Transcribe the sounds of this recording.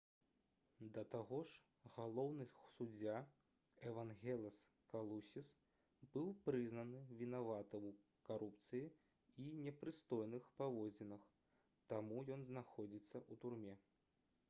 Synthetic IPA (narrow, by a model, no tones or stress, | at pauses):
d̪ɐt̪aɣɔʂ | ɣalˠɔwnɨsud͡zʲa | ɛvanɣʲɛlʲˠɐs | kalˠusʲis | bɨwpɾɨznɐnɨvʲinavat̪ɐw | kaɾup̚t̪sɨji | inʲɛpɾɨst̪ɔjnɨxpavɔd͡zʲɛnɐx | t̪amujɔnznaxɔd͡zʲit̪sːɐut̪urmʲɛ